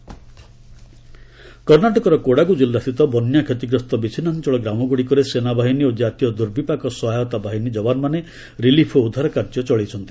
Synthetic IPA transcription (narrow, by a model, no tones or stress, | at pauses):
kɔɾnaʈɔkɔɾɔkoɽaɡud͡ʒilːast̪ʰit̪ɔbɔnjakʰet̪iɡɾɔst̪ɔbit͡ʃʰinant͡ʃɔɭɔɡɾamɔɡuɽikɔɾesenabʱaɦiniod͡ʒat̪ijɔd̪uɾbipakɔsɔɦajɔt̪abʱaɦinid͡ʒɔbanɔmane | ɾilipʰɔud̪ʱaɾɔkaɾd͡ʒɔt͡ʃɔɭit͡ʃʰɔnt̪i̥